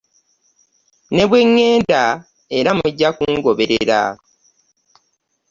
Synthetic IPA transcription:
ne̞βwe̞ŋːe̞ːnda | e̞ɾamuɟːakuŋɡo̞βe̞ɾḛɾa̰

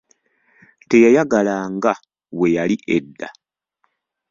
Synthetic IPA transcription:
te̞jajaɡalaːŋɡa | we̞jaliʔedːa

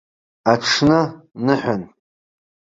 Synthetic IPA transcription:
aʈ͡ʂʰnɨnɨħan

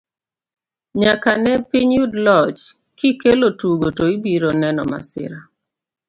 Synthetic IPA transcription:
ɲakanɛpiɲjudlɔt͡ʃ | kikelotuɡotoibiɾonɛnɔ̰ma̰sɪ̰ɾa

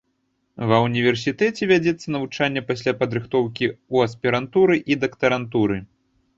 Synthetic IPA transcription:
vɐwnʲivʲɛrsʲit̪ɛt͡sʲɛvʲad͡zʲɛt̪sːɐnɐvut͡ʂanʲːɐpasʲlʲapɐd̪ɾɨxt̪ɔwkʲiuɐspʲiɾant̪uɾɨʔid̪ɐkt̪ɐɾant̪uɾɨ

